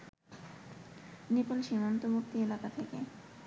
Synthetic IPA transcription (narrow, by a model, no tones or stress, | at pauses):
nipolʃimant̪omukt̪ielakat̪ʰeke